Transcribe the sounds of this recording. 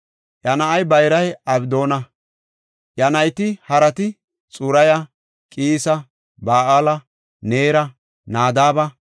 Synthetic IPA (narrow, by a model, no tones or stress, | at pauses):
jɐnɐʔɐjbɐjɾɐjɐbd̪o̞ːnɐ | jɐnɐjt̪ɪhɐɾɐt̪ɪ | t͡sʼʊɾɐjɐ | kʼiːsɐ | baːʔalɐ | neːɾɐ | naːd̪aːbɐ